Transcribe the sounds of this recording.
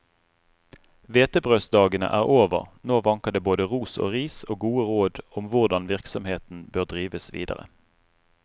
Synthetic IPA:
ʋeːt̪əbʁøːsd̪ɑːɡənə̰ʔæːʁʔoːʋə̰ʁnoːʋɑŋkəʁd̪eːboːd̪əʁuːso̰ːʁiːsoːɡuːəʁoːd̪ʊmʋʊʁd̪ɑnʋɪʁksɔmheːt̪n̩bøːʁd̪ʁiːʋəsʋḭːd̪ə̰ʁə̰

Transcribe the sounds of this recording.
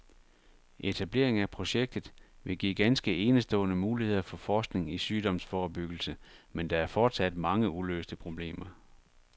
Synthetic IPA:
ʔe̝t͡sʰæb̥le̝̰ɐe̝ŋæpʰʁo̝ɕeɡ̥̚d̥ð̩ˠʋe̝ɡ̥ḭɡ̥ænsɡ̥əe̝ːnəsd̥ɔ̰̽ːnəmuːlihe̝ð̰ˠɐfɒ̽fɒːsɡ̥ne̝ŋisyːd̥ɒ̽msfɒːb̥yɡ̥l̩səmend̥ɑ̈æɐfɒːd̥sæd̥mɑ̈ŋəulø̰ːsd̥əpʰʁo̝b̥le̝̰ːmɐ

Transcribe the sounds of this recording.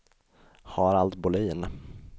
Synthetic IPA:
hɑɾalt̪bʊliːn

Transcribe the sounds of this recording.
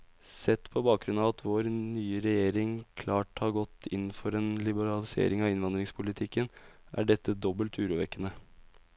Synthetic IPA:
sɛt̪ːpʰɔbɑːk̚ɡɾʉnɑʋɑt̪ʰʋoːɾnyːəɾɛjeːɾɪŋkʰlɑːʈhɑɾɡɔt̪ːʰɪn̩ːfɔɾeːnlɪbəɾɑlɪsḛːɾɪŋɑʋɪnʋɑnd̪ɾɪŋspʰʊlɪt̪ʰɪkːənʔæ̰ɖɛt̪ːəd̪ɔbəlt̪ʰʉːɾuːʋɛkːənə

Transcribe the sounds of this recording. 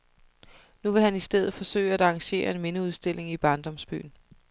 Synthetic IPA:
nuʋe̝ɦænisd̥eð̞̰̩ˠfɒ̽sø̰ɪ̰æd̥ɑ̈ːŋɕe̝̰ːɐe̝nme̝nəuð̞ˠsd̥e̝lʔe̝ŋib̥ɑ̈ːnd̥ɒ̽msb̥y̰ːn̩

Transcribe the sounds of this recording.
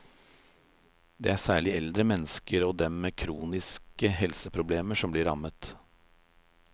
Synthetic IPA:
d̪ḛæsæːɭɪɛld̪ɾəmɛnəskəɾɔd̪ɛmːeːkʰɾuːnɪskəɦɛlsəpʰɾʊbleːməʂɔmbliːɾɑ̰mət̪

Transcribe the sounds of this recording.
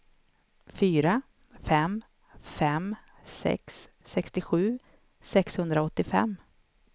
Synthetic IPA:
fyːɾa | fɛm | fɛm | sɛ̰ksː | ɛkst̪ɪɧʉ̟ː | sɛkshɵnd̪ɾaɔt̪ːɪfɛ̰mː

